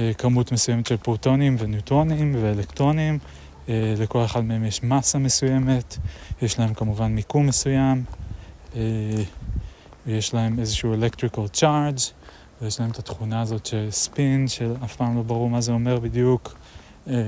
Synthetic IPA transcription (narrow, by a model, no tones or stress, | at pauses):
ekamutmesujemetʃe̞lpoʁto̞nimvenjutʁonimveelekt̪ʁo̞nim | ele̞ko̞le̞χadmehe̞mjeʃmasame̞suje̞me̞tjeʃlahe̞mkamuvanmikumːe̞sujam | e | vjeʃlahe̞me̞zeʃuuelekt̪ʁikalt͡ʃaʁd͡ʒ | vejeʃlahe̞met̪at̪χunaːzo̞t̪ʃespinʃe̞afpaːmlo̞baʁuʁmazeo̞me̞ʁbidjuk | e